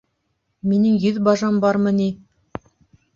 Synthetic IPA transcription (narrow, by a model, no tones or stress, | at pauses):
minɘŋjɵðbɑʒɑmbɑɾmɤni